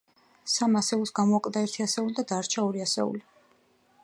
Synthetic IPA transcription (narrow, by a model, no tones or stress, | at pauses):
samasɛulˠsɡamɔakʼd̪aɛɾt̪ʰiasɛulid̪ad̪aɾt͡ʃʰaɔɾiasɛ̰ṵli